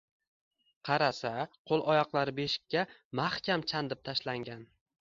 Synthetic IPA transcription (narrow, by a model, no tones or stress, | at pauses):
qʰɑɾasaqʰolˠʔɒjɒqlˠaɾɪbe̞ʃɪ̥kʲʰːamaχkʲamt͡ʃʰand̪ɪp̚t̪ʰaʃlaŋɡʲan